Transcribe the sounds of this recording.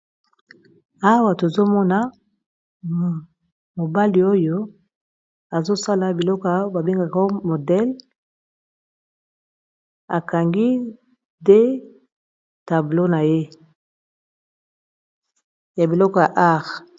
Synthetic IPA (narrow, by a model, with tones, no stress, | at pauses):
a˦wa˨to˨zo˦mɔ˦na˦˨ | mo˨ba˦li˨o˦jo˦ | a˨zo˦sa˦la˨bi˨lɔ˦kɔ˦a˨˦ba˨be˦ŋɡa˨kmo˨dɛ˦l | a˨ka˨ŋɡi˦ | de˦ | ta˨blo˦na˨je˦ | ja˨bi˨lɔ˦kɔ˨ja˨ʔa˦˨ʁ